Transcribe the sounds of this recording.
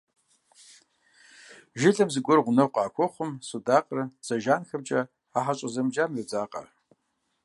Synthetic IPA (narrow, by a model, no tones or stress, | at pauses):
ʒɪɮɨmzɨkʷʼʊrʁʷʊnɨqʷʼaːkʷʰoχʷʊmsudaqʼrɨt͡saʒanxɨmt͡ʃʼa | aħat͡ʃʷʼazɨmd͡ʒamrod͡zaqʼa̰r